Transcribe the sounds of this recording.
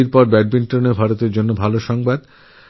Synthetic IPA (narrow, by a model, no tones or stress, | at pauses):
iɾpɔɾbɛɖ̚binʈɾonebʱaɾot̪eɾd͡ʑonːobʱaloʃɔŋbad̪